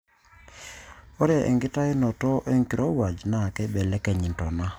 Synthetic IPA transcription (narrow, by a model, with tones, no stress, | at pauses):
ɔ˦ɾja˨ʔɛ̰˨ŋɡɪ˦ta˦e˦nɔ˨tɔ˦ʔɛ˦ŋki˨ɾɔ˦wa˨d͡ʒna˦˨kɛ˦bɛ˨lɛ˦kɛ˨ɲi˨ntɔ˨na˦